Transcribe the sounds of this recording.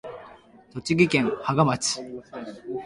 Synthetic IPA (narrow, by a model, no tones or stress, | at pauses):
t̪o̞t͡ɕiɡʲikẽŋhaɡamat͡sɨ̥